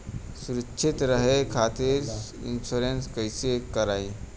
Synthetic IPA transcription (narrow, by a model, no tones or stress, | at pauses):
suɾəkːʃʰit̪ɾəɦekʰat̪iɾ | ḭnsuɾenskəɪsekəɾai